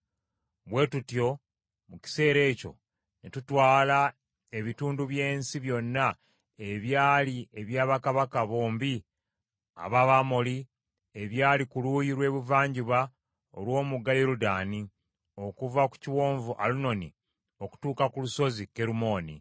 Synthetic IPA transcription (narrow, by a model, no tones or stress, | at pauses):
βwe̞ːtutjo̞ | muci̥se̞ːɾe̞ːco̞̰ | netutwaːla | e̞βituːnduβje̞ːnsiβjo̞nːa | e̞βjaːlie̞βjaːβakaβakaβo̞ːmbi | a̰βaβamo̞li | e̞βjaːlikulujiɾwe̞ːβuvaːɲɟiβa | o̰lwo̞ːmuɡajeɾudaːni | o̞kuvaku̥ciwo̞ːɱvuʔa̰luno̞ni | o̞ku̥tuːkakuluso̞zike̞ɾumo̞ːnḭ